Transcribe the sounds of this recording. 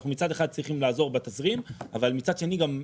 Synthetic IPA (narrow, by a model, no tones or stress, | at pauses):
χnumit͡sad̪eχad̪̚t͡sʁiχimlaːzo̞ʁbet̪asʁima̰valmit͡sad̪ʃe̞niɡam